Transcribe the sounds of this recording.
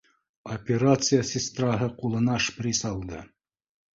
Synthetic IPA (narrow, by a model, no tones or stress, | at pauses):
opʲɪɾat̪sɨjasʲɪst̪rɑɦɤqulˠɤ̆nɑʂprʲisɑlˠd̪ɤ̰